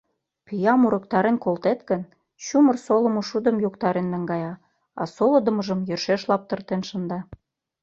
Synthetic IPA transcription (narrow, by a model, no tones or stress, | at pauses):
pyjɑmuɾɤ̆k̚t̪ɑɾenkolt̪et̪kə̆n | t͡ɕumərsolə̆mŏʃud̪ə̆mjokt̪ɑɾenːɑŋɡɑjɑ | ɑ̰solɤ̆d̪ə̆mə̆ʒə̆mjørʃeʃlɑp̚t̪ə̆rt̪enʃə̆nd̪ɑ